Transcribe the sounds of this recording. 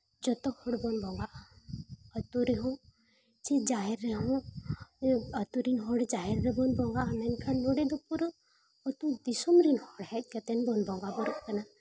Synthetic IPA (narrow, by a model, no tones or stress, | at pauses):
d͡ʒɔt̪ɔhɔɽbɔnbɔŋɡaʔ | ɔt̪uɾeɦũ | t͡ʃid͡ʒaɾːeɦũ | ɔt̪uɾinɦɔɽd͡ʒaɛɾːebɔnbɔŋɡanɛnkʰannːuɽed̪upuɾ | ɔt̪ũd̪isɔmɾinhɔɽhɛt̪̚ˀkɛt̪ɛnbɔnbɔŋɡabɔɾuʔkana